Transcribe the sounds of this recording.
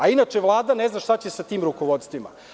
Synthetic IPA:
ainat͡ʂeʋlˠaːd̪ane̞znaʃt̪at͡ɕesat̪iːmɾukoʋo̞t̪st̪ʋima̰

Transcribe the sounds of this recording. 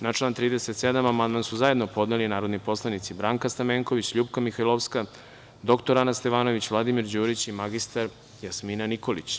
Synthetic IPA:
nat͡ʃlˠant̪ɾiːd̪eset̪sed̪amamand̪mansuzaje̞d̪no̞po̞d̪nelinaːɾo̞d̪nipo̞slˠanit̪sibɾaːŋkast̪ameːŋko̞ʋit͡ɕʎuːbkamixajlˠoʋska | d̪o̞kt̪o̞ɾanast̪e̞ʋaːno̞ʋit͡ɕʋlˠad̪imiɾd͡ʑuːɾit͡ɕimaɡist̪aɾ | jasminaniko̞lḭt͡ɕ

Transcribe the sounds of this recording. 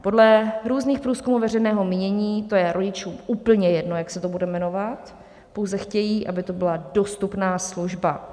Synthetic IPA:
po̞dlɛɾuːzniːxpɾuːskumuːvɛrɛjnɛːɦo̞miːɲɛɲiːt̪o̞jɛɾʔo̞ɟɪt͡ʃuːmuːpl̩ɲɛjɛdno̞jaksɛt̪obudɛmɛno̞vat̪ | po̞wzɛxcɛjiːʔabɪt̪o̞bɪlado̞st̪upnaːsluʒba

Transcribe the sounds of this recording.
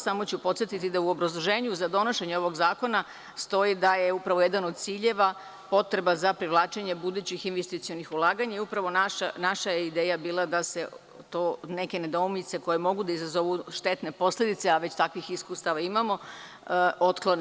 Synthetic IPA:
samo̞t͡ɕupo̞t̪sjet̪it̪id̪auo̞bɾazlˠo̞ʒe̞ːɲuzad̪o̞no̞ʃe̞ɲeo̞ʋo̞ɡzaːko̞na | st̪o̞id̪ajeupɾaʋoje̞d̪ano̞d̪̚t̪siːʎe̞ʋa | po̞t̪ɾe̞bazapɾiʋlˠaːt͡ʃe̞ɲe̞bud̪uːt͡ɕixinʋest̪it̪sio̞nixulˠaːɡaɲaiupɾaʋo̞naʃanaʃajeid̪eːjabiːlˠad̪ase̞ | t̪oːne̞ke̞ne̞d̪o̞umit̪se̞ko̞je̞mo̞ɡud̪aizazo̞ʋuʃt̪et̪ne̞po̞sled̪it̪seaʋe̞t͡ɕt̪akʋixiskuːst̪aʋaimamo̞ | o̞t̪klˠo̞ne

